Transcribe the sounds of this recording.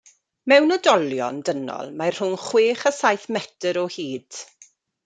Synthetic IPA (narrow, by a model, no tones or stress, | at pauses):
mɛwnɔdɔlˠjɔ̰ndənɔ̰lˠmajr̥ʊnχweːχasajθmɛtəɾɔhiːd̥